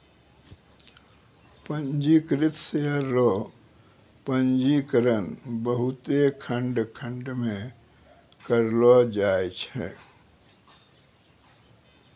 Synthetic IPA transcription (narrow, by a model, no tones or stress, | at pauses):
pə̃nd͡ʒikɾɪt̪seəɾːɔ | pə̃nd͡ʒikəɾənbəɦʊt̪ekʰə̃ɳɖkʰə̃ɳɖmẽ | kəɾlɔd͡ʒaːet͡ʃʰɛ̰